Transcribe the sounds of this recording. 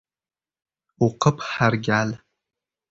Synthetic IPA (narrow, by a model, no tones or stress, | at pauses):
uqəpʰħarɡʲal